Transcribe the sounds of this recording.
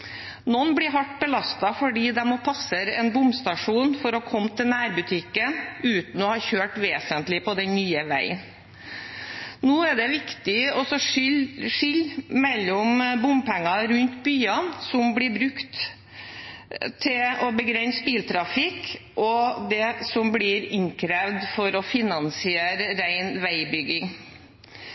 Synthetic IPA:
nɔnːblɪɾɦɑʈːbəlɑst̪ɑfɔɖiːd̪ɛmopʰɑsəɾɛnbʊmst̪ɑʂuːnfɔɾɔkʰɔmːt̪ʰɪlnæːɾbʉt̪ʰɪkːənʉːt̪n̩ɔhɑːçøːʈʋeːsənt̪lɪpɔd̪ɛnnyːəʋæ̰ɪə̰n | noːɛɖ̪ɛʋɪkt̪ɪɔsɔ | ʂʏlːmɛlːɔmbʊmpʰɛŋːɑɾʉnt̪byːɑnsɔmblɪbɾʉkt̪ | t̪ʰːɪlɔbəɡɾɛnspiːlt̪ʰɾɑfɪkʔɔd̪ɛsɔmblɪɾɪŋkʰɾeʋd̪fɔɾɔfɪnɑnsɪeːɾəɾæɪnʋæɪbʏɡɪŋ

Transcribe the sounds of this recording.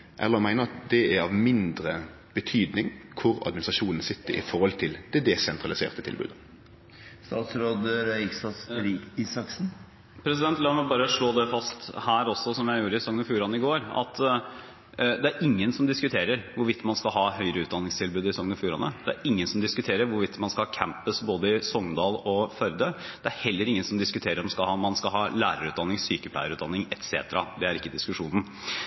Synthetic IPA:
ʔɛ̰lːəʁmæɪnəʁɑt̪̚d̪ɛæɾɑʋmɪnd̪ɾə | b̥ət̪ʰyːd̪nɪŋkʰʊɾɑ̰d̪mɪnɪst̪ɾɑʂuːnn̩sɪt̪ːəɾɪ̰fɔʁhɔlt̪ʰɪld̪̥ɛd̪ɛsɛnt̪ʰʁɑlɪsḛːʁt̪ət̪ʰɪ̰lbʉ̰d̪ə | st̪ɑːt̪sɾoːd̪əɾɪksɑsɾiiːsɑksn̩ | pʰɾɛsɪd̪ɛnt̪lɑːmɛbɑːɾəʂɭoːd̪ɛfɑst̪hæːɾɔsːɔsɔmjæɪjuːɾəɪsɔŋnəfjuːɾɑnəɪɡoːɾɑ̰t̪ | d̪ɛæɾʔɪŋːənsɔmd̪ɪskʉt̪ʰeːɾəɾʋʊɾʋɪt̪ːmɑnskɑlɦɑːhœʏəɾəʉːt̪d̪ɑnːɪŋst̪ʰɪlbʉːd̪ɪsɔŋnɔfjuːɾɑ̰nə̰d̪ɛæ̰ɾɪŋːənsɔmd̪ɪskʉt̪ʰeːɾəɾʋʊɾʋɪt̪ːmɑnskɑlhɑːkʰæmpəsboːd̪əɪsɔŋd̪ɑːlɔfœɾd̪əd̪̥ɛæɾhɛlːəɾɪŋːənsɔmd̪ɪskʉt̪ʰeːɾəɾɔmskɑlhɑmɑnskɑɦɑːlæːɾəɾʉːt̪̚d̪ɑnːɪŋsyːkəpʰlæ̰ɪəɾʉːt̪d̪ɑnːɪŋɛt̪sḛːt̪əɾɑ̰d̪ɛæɾɪkːəd̪ɪskʉʂuːnn̩

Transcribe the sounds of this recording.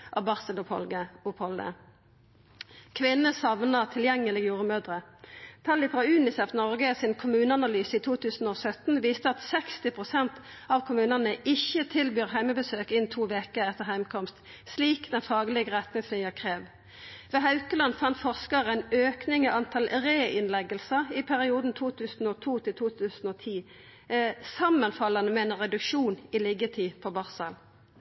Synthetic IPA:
ʔɑbɑʁsəlʊpʰɔ̰əʊpʰɔlə̰ | kʰʋɪnːəsɑʋnɑt̪ʰɪljɛŋːəlɪɡjuːʁəmøːd̪ʁət̪ʰɑlːɪfʁɑʉːnɪsɛfnɔʁɡəsɪnkʰʊmʉːnəɑnɑlyːsəiːt̪ʰuːt̪ʰʉːsn̩oːsœt̪n̩ʋiːst̪əɑt̪sɛkst̪ɪpʰʁʊsɛnt̪ | ɑʋkʰʊmʉːnɑnəɪçət̪ʰɪlbyːʁɦæɪməbəsøːkɪnt̪ʰuːʋeːkəɛt̪əʁɦhæɪmkʰɔmst̪ | sliːkd̪ɛnfɑːɡəlɪɡəʁɛt̪nɪŋsnɪəkʰʁeːʋ | ʋɛːɦɑʉkəlɑnfɑnt̪fɔʁskɑʁɛɪnøːknɪŋɔʔɑnt̪ʰɑlʁeːʔɪnlɛɡəlsəʁɪpʰæʁɪuːd̪n̩t̪ʰuːt̪ʰʉːsn̩ɔt̪ʰuːt̪ʰɪlt̪ʰuːt̪ʰʉːsn̩oːt̪ʰiː | sɑmːənfɑlɑnəmɛɛːnʁɛd̪ʉkʃuːnɪliːɡət̪ʰiːpʰɔbɑʁsəl

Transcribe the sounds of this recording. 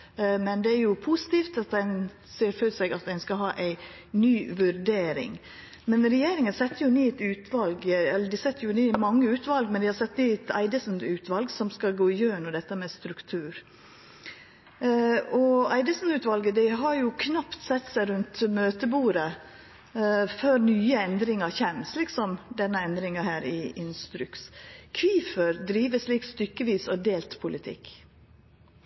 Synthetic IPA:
mɛnd̪ɛæɾjʊpʰusɪ̥t̪iːft̪ɑt̪̚d̪ɛn | seːɾfœsɛɪɡɑt̪̚d̪ɛnskɑɦɑːʔæɪ | nyːʋʉɾdeːɾɪ̰ŋ | mɛnɾɛjeːɾɪŋənsɛt̪ːəɾjʊneːɛt̪ʉːt̪ʰʋɑlɡɛlːəɖɪsɛt̪ːəɾjʊnyːmɑŋːəʉːt̪ʋɑlɡmɛnd̪ɪhɑɾsɛt̪ːniːɛt̪ʰæ̰ɪd̪əsn̩ʉːt̪ʰʋɑlɡsɔmskɑɡoːɪjøːɳɔd̪ɛt̪ːəmɛst̪ɾʉkt̪ʰʉːɾ | ɔæɪd̪əsn̩ʉːt̪ʋɑlɡəd̪ɛɦɑɾjʊkʰnɑpt̪sɛt̪ːsæɪɾʉnt̪møːt̪əbuːɾə | føːɾnyːəɛnd̪ɾɪŋɑçɛmslɪksɔmd̪ɛnːəɛnd̪ɾɪŋɑhæːɾɪʔɪnst̪ɾʉkskʰʋiːfəɾd̪ɾiːʋəʂliːkst̪ʏkːəʋiːsɔd̪eːlt̪pʰʊlɪt̪ʰɪ̰kː

